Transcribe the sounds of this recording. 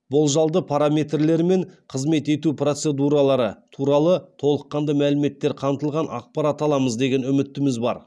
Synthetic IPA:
bʊlˠʒɑlˠd̪əpʰaɾamʲe̞t̪rle̞ɾme̞ɴqʰəzme̞t̪e̞t̪upro̞t̪se̞d̪uɾɑlˠɑɾət̪ʰuɾɑlˠət̪ʰo̞lˠəqːɑnd̪ɑmælɪme̞t̪ːe̞ɾqʰɑmt̪əlˠʁɑnɑ̰q̚pɑɾat̪ɑlˠɑməzd̪e̞ɡʲe̞nʏmɪt̪ːɪmɪzbɑ̰ɾ

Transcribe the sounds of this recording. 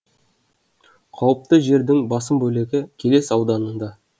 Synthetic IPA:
qʰɑwəp̚t̪əʒe̞ɾd̪ɪŋbɑsəmbɵle̞ɡʲɪkʲʰe̞le̞sɑwd̪ɑnənd̪ɑ

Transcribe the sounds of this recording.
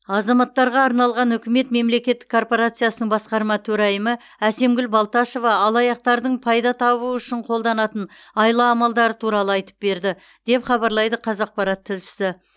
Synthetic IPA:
ɑzɑmɑt̪ːɑɾʁɑːɾnɑlˠʁɑnɵʏkʲɪme̞t̪me̞mle̞kʲe̞t̪ːɪ̥kʰːo̞rpo̞ɾat̪sɨjasənəɴbɑsqɑɾmɑt̪ʰɵɾæjəmə | æse̞mɡʲʏlbɑlˠt̪ɑʃo̞vɑɑlˠɑjɑq̚t̪ɑɾd̪əɴpʰɑjd̪ɑt̪ʰɑβuəʏʃɪɴqʰo̞lˠd̪ɑnɑt̪ən | ɑjlˠɑːmɑlˠd̪ɑɾət̪ʰuɾɑlˠəɑjt̪ə̥p̚be̞ɾd̪ɪ | d̪̥e̞pχɑbɑɾlˠɑjd̪əqʰɑzɑq̚pɑɾɑt̪ʰːɪlʃɪ̥sɪ

